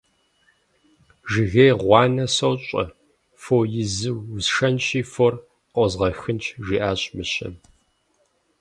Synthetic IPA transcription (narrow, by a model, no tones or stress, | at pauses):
ʒɪɣejʁʷɑːnɐsowɕʼɐ̰ | fojɪzɨwsʂɐnt͡ʃiːfor | qʷʼɔzʁɐxɨnt͡ʃʰʒiːʔaːɕʼmɨɕɐ̰m